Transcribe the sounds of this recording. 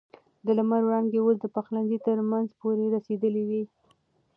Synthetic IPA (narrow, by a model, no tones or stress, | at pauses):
d̪əlamaɾwɽɑŋɡeosd̪əpaxlanzit̪əɾmanzpoɾeɾased̪əliwi